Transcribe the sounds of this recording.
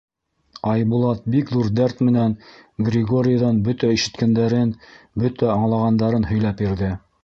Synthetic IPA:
ɑjbulˠɑt̪̚bikðuɾd̪æɾt̪mɘ̆nænɡrʲɪɡo̞ɾʲɪjaðɑnbɵt̪æiʃɘ̆t̪kænd̪æɾɘnbɵt̪æɑɴlˠɑʁɑnd̪ɑɾɤnhɵ̆jlæpjĭɾðɘ

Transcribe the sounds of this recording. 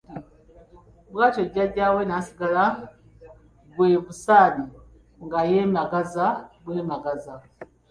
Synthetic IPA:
bwaːtoɟaɟaːwenasiɡala | bweβusaːni | ŋɡajemaɡazabweːmaɡaza

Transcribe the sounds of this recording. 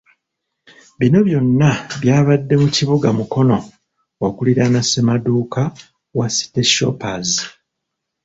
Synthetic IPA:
βino̞βjo̞nːaβjaːβadːe̞muciβuɡamuko̞no̞ | okuliɾanasemaduːka | wasi̥teʃo̞̰pazi

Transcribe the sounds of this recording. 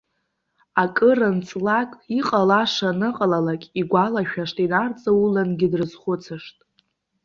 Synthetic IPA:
akʼɨrɨnt͡sʼlakʼiqʼalaʂanɨqʼalalakʲʼiɡʷalaʃᶣaʂtʼinart͡sʼaulanɡʲɪdrɨzχʷʊt͡sʰɨʂtʼ

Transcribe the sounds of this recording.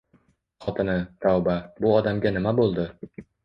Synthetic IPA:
χɒt̪ʰɪnɪt̪ʰɒwbabʊɒd̪amɡʲanɪmabolˠd̪ɪ

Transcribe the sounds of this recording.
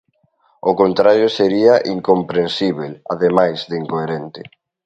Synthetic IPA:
okont̪ɾaɾjoseɾiaʔiŋkompɾensiβela̰ðemajzðiŋkoeɾent̪ɪ

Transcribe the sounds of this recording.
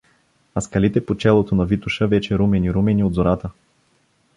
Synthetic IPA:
ɐskɐlit̪ɛpot͡ʃɛlˠot̪onɐvit̪uʃəvɛt͡ʃɛɾumɛniɾumɛniod̪zoɾat̪ə

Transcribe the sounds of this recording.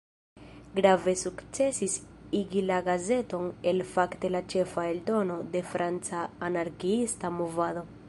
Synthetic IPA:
ɡɾave̞sukt͡se̞sisiɡilaɡaze̞to̞ne̞lfakte̞lat͡ʃe̞faeldo̞no̞de̞fɾʔant͡saːnaɾɡiistamovado̞

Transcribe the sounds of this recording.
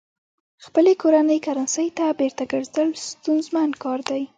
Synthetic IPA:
xpəlekoɾanəjkaɾansəjt̪abeɾt̪aɡəɾzəlst̪unzmankɑɾd̪aj

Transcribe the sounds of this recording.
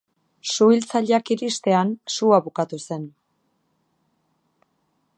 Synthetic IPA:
suilt͡saʎakiɾist̪e̞ansuaβukat̪use̞n

